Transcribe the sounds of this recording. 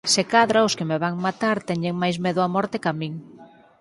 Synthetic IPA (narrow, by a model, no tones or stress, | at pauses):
sekaðɾaʊskemeβaŋmat̪aɾt̪ɛɲeŋmajzmɛðʊamɔɾt̪ɪkamĩŋ